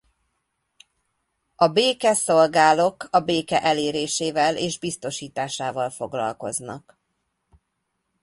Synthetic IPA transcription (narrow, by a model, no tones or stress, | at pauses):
ɒbeːkɛso̞lɡaːlo̞kɒbeːkɛʔɛleːɾeːʃeːvɛleːʒbist̪o̞ʃiːt̪aːʃaːvɒlfo̞ɡlɒ̰lko̞̰znɒ̰k